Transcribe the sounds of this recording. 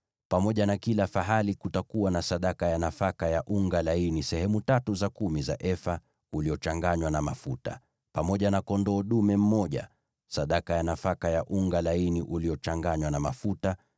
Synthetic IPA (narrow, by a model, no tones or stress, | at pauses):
pamɔʄanakilafaɦalikutakuwanasaɗakajanafakajaʔuŋɡalainisɛhɛmutatuzakumiza̰ʔɛfa | uliɔt͡ʃaŋɡaɲwanamafuta̰ | pamɔʄanakɔndɔːɗumɛm̩mɔʄa̰ | saɗakajanafakajaʔuŋɡalainiʔuliɔt͡ʃaŋɡaɲwanama̰futa